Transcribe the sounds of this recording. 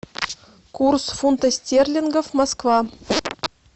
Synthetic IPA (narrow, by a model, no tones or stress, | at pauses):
kursfunt̪asʲtʲerʲlʲinɡofmoskvɑ